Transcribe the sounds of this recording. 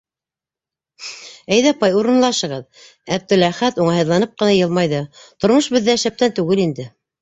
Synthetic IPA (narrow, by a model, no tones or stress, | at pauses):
æjðæpɑjuɾɤ̆nlˠɑʃɤ̆ʁɤð | æb̚d̪ɘ̆læχæt̪uɴɑɦɤ̆ðlˠɑnɤp̚qɤ̆nɑjɤlˠmɑjðɤt̪ŏɾmɤʃbɘ̆ðːæʃæp̚t̪ænt̪ʉɣɘlind̪ɘ